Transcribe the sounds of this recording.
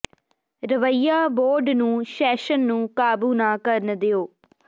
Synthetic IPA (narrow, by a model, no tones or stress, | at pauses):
ɾəʋəijːaːboːɾɖnũːʃɛːʃənːũːkaːbuːnãːkəɾnd̪eoː